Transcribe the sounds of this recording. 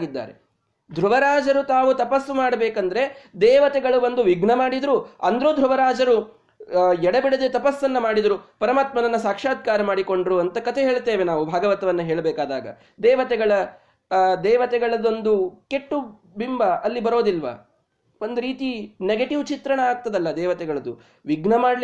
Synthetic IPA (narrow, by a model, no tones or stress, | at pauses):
ɡid̪ːa̰ːɾḛ | d̪ʱɾuʋɐɾaːd͡ʒɐɾut̪aːʋut̪ɐpɐsːumaːɽɐbeːkɐnd̪ɐɾe̞d̪ɛːʋɐt̪ɛɡɐɭubɐnd̪uʋiɡɳɐmaːɽid̪ɐɾuɐ̰nd̪ɾud̪ʱɾuʋɐɾaːd͡ʒɐɾu | ɛɽɐbiɽed̪et̪ɐpɐsːɐnːɐmaːɽid̪ɐɾupɐɾɐmaːt̪mɐnɐnːɐsaːkʂaːd̪̚kaːɾɐmaːɽiko̞ɳɖɾuɐnt̪ɐkɐt̪ʰeɦeːɭt̪eːʋe̞naːʋubʱaːɡɐʋɐt̪ɐʋɐnːɐɦeːɭbɛːkaːd̪a̰ːɡɐ̰ | d̪ɛːʋɐt̪ɛɡɐɭɐ | d̪ɛːʋɐt̪ɛɡɐɭɐd̪o̞nd̪uke̞ʈːu | bimbɐʔɐlːibɐɾoːd̪ilʋɐ̰ | ond̪uɾiːt̪ineɡeʈiʋt͡ʃit̪ɾɐɳɐaːɡ̚t̪ɐd̪ɐlːɐd̪ɛːʋɐt̪ɛɡɐɭɐd̪u | ʋiɡnɐmaːɽl